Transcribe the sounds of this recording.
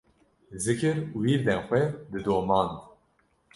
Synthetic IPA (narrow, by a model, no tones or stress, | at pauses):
zɨkɨɾuwiːɾd̪ɛnxʷɛd̪ɨd̪oːmɑːnd̪